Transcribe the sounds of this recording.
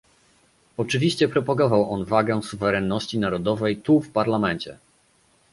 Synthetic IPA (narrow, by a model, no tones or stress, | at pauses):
ɔt͡ʂɘvʲiɕt͡ɕɛpɾɔpaɡɔvawʔɔnvaɡɛsuvɛɾɛnːɔɕt͡ɕinaɾɔd̪ɔvɛjt̪ufpaɾlamɛnʲt͡ɕɛ̰